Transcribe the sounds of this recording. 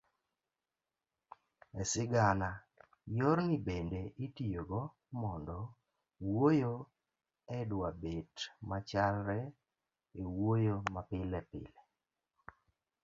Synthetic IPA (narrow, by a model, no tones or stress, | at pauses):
ɛsɪɡana | joɾŋibendeʔitijoɡɔ | mɔndɔ | wojo | ɛdwabetmat͡ʃalɾɛ | ewojomapɪlɛpɪ̰lɛ